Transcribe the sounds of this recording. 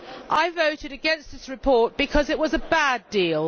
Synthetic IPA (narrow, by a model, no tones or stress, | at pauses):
ʔaɪvəʊtɪɾɨɡɛ̃nsðɪsɹɨpʰɔˑt̚b̥ɨkʰʌzɪʔwɒzəbædiːlˠ